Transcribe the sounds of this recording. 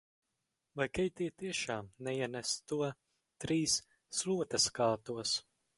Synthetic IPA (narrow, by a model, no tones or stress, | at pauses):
vajkɛjt̪iɛt̪iɛʃaːmnɛiɛnæst̪uɔ | t̪ɾiːs | slˠuɔt̪ɐskaːt̪uɔs